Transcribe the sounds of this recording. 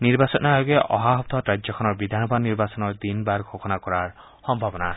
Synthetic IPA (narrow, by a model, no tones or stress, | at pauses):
niɹbasɔnaajɡɛʔɔɦaɦɔp̚t̪ʰɔtɹad͡ʒzɔkʰɔnɔɹbid̪ʱanɔbadniɹbasɔnɔɹd̪inbaɹɡʱokɔnakɔɹaɹ | xɔmbʱabɔna